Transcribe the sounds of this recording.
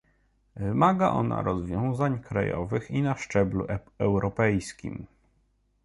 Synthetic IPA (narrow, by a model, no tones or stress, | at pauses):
vɘmaɡaʔɔna̰ɾɔzvʲjɔ̃w̃zaɲkɾajɔ̰vɘxinaʂt͡ʂɛblṵ | ɛwɾɔpɛjskʲḭm